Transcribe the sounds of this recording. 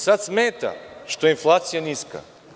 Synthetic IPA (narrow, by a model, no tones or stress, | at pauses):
sat̪smɛt̪a̰ʃt̪oinflˠat̪sijaniska̰